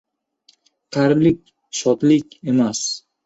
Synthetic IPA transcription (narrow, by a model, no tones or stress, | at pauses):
qʰɑɾblɪkʲ | ʃɒt̪lɪkʲe̞mas